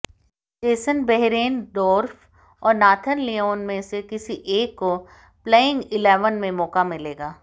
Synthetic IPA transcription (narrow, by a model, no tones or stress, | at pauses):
teːsənbɛɦɾeːnd̪ɔːɾfʰ | ɔːɾnaːt̪ʰənlioːnmẽsekɪsiʔeːkːo | pleːɪ̃ŋɡɪlɛːʋənmẽmɔːkamɪleːɡaː